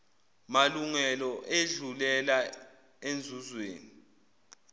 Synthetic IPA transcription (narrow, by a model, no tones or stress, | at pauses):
maluŋɛlɔʔeɮulɛla | end͡zʱuzwḛːni